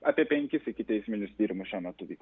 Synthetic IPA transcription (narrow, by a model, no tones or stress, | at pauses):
ɑːpʲiɛpʲɛŋʲkʲɪsɪkʲɪt̪ʲɛɪsʲmʲɪnʲʊsd̪ʲiːɾʲmʊʃʲɛmʲɐt̪ʊʋʲiːk